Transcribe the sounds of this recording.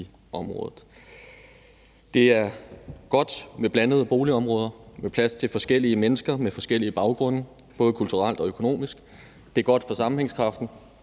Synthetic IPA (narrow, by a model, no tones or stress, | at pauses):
ɒ̽mʁɔ̽ːðˠð̩ˠ | d̥e̝æɐɡ̥ɒ̽d̥meb̥lænəðˠəb̥o̝ːliɒ̽mʁɔ̽ːð̞ˠɐmepʰlæst͡sʰe̝lfɒ̽sɡ̥el̰iəmenəsɡ̥ɐmefɒ̽sɡ̥el̰iəb̥ɑ̈ʊɡ̥ʁɔ̽n̰ə | b̥ɔ̽ːðˠkʰult͡sʰuʁal̰d̥ɒ̽økʰo̝no̝̰ːmisɡ̥ | d̥e̝æɐɡ̥ɒ̽d̥fɒ̽sɑ̈mm̩eŋskʰʁɑ̈fd̥n̩